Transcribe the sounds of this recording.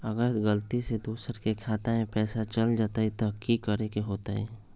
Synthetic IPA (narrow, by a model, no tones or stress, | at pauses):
əɡəɾɡəlt̪ised̪uːsəɾkekʰaːt̪aẽpɛːsat͡ʃəld͡ʒaːt̪ait̪okikəɾekeɦoːt̪aɦɛ